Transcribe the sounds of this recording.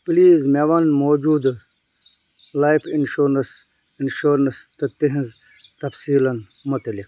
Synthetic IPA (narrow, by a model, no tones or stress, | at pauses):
pliːzmeʋɐnmoːd͡ʒuːd̪ | laːjpʰinʃuɾnɐs | inʃoɾnɐst̪ɨt̪iɦĩz | t̪ɐfsiːlɐn | mut̪ɐlik